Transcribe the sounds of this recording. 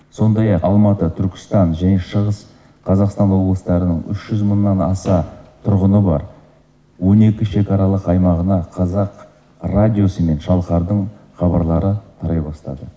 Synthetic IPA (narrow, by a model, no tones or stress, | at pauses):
so̞nd̪ɑjɑqɑlˠmɑt̪ət̪ʰʏɾkʲɪ̥st̪ɑnʒæne̞ʃəʁəs | qʰɑzɑqst̪ɑnwo̞blˠəst̪ɑɾənəɴʏ̰ʃʒ̥ʏzmənːɑnɑsɑt̪ʰʊɾʁənəbɑ̰ɾ | wo̞ne̞kʲɪʃe̞kɑɾɑlˠəqɑjmɑʁənɑqʰɑzɑq | radʲijo̞səme̞nʃɑlˠqɑɾd̪əɴχɑbɑ̰ɾlˠɑɾət̪ʰɑɾɑjbɑst̪ɑ̰d̪ə